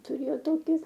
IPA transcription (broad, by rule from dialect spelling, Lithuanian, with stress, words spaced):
tʊˈrʲeːjoː ˈtoːkʲɪ